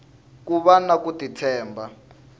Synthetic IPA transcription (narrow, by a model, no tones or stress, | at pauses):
kuβanakutitʰɛːmba